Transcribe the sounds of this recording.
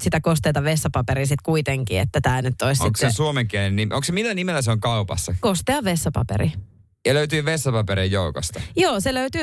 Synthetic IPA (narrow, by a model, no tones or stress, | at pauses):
sit̪ækost̪eːt̪ɑʋesːɑpɑpeɾisit̪kuit̪eŋkḭḛt̪ːæt̪æːnyt̪ːoisiŋtsːesuomeŋkenennimʔoŋksemilːænimelːæseoŋkɑupɑ̰sːɑkost̪eɑʋʋesːɑpɑ̰pḛɾḭ | jɑløyt̪yːʋesːɑpɑpeɾijjoukost̪ɑjoːseløyt̪yː